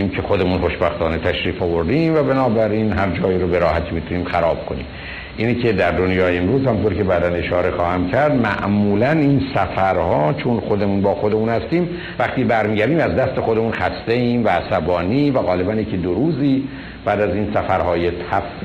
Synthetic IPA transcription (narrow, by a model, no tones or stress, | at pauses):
imcʰe̞xod̪e̞munχo̞ʃbæxt̪ɒːnet̪ʰæʃɾiːfɒvoɾd̪iːmvæbenɒːbæɾiːnɦæɾd͡ʒɒːjiːɾobeɾɒːhæt̪ʰiːmiːt̪ʰuniːmxæɾɒːb̥̚kʰo̞nḭːm | ʔiːnicʰe̞d̪æɾd̪onjɒːjeːmɾuːzhæmũnt̪oɾcebæːd̪æne̞ʃɒːɾe̞xɒːhæmcʰæɾd̪mæ̰ʔmuːlæninsæfæɾhɒːt͡ʃʰonχod̪emunbɒːxod̪e̞munhæst̪iːm | væχt̪iːbæɾmiːɟæɾd̪iːmæzd̪æst̪e̞xod̪e̞munxæst̪eiːmvæːsæbɒːniːvæɣɒːlebænjecid̪oɾuːziː | b̥æːd̪æziːnsæfæɾhɒːjet̪ʰæf